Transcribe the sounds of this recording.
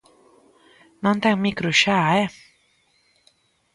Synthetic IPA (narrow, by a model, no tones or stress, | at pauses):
nɔnt̪ʰɛŋmikɾuɕaɛ